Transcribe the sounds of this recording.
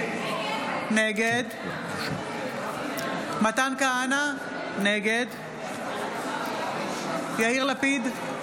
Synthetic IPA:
neɡed̪ | mat̪ankaana | neɡed̪ | jaiʁlapid̪

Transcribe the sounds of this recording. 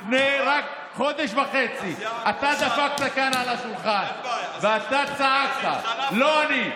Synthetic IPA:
fnejʁak | χo̞d̪eʃvaχe̞t͡siat̪ad̪afak̚t̪akanalaʃulχanveat̪at͡saak̚t̪a̰loani

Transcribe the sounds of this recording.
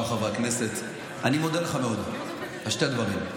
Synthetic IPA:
mχaveakne̞set̪ | animo̞d̪eleχameo̞d̪ | aʃt̪ed̪vaʁim

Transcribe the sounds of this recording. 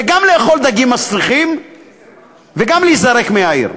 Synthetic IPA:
eɡamle̞ːχo̞ld̪aɡimːasliχim | veɡamliːzaʁe̞kmeaḭʁ

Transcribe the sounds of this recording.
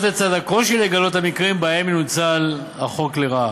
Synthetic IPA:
tet͡sad̪ako̞ʃileɡalo̞t̪hamikʁimbae̞menut͡sal | aχo̞kleʁa

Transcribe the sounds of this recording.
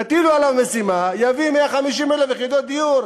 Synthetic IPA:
at̪ilualavme̞simajavimeaχamiʃimelefjeχid̪ot̪̚d̪iuɾ

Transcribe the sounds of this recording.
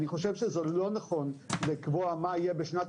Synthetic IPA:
niχo̞ʃevʃezelo̞naχo̞nlikvoamaijebeʃnat

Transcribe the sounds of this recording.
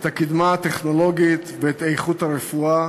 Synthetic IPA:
t̪akid̪maat̪eχno̞lo̞ɡit̪veet̪ejχut̪aʁefua

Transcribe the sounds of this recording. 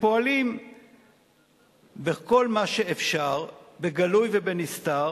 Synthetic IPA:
po̞alim | beko̞lmaʃeefʃaʁbeɡalujvebenist̪aʁ

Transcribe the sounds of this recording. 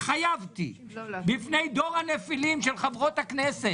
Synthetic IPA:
χajavt̪ḭ | bifnejd̪o̞ʁhanefilimʃelχavʁo̞t̪haknese

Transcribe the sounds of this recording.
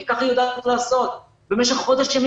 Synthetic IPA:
ikaχjod̪atlaːso̞t̪ | be̞meʃ̬eχχo̞d̪eʃːem

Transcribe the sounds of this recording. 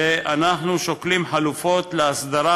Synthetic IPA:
eʔanaħnuʃoklimħalufo̞t̪leasd̪aɾa

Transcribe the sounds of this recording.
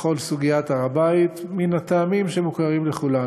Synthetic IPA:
χo̞lsuɡijat̪aʁabait̪minat̪aːmimʃemukaʁimleχula

